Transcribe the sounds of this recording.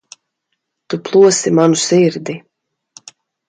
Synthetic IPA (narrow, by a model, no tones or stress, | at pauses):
t̪uplˠuɔsimanusiɾd̪i